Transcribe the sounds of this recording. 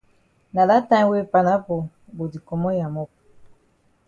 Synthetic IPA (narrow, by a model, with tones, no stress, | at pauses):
na˨la˦ta˦we˦pa˨na˦po˨ | bo˨di˨kɔ˨mɔ˦ja˨mɔ˦p̚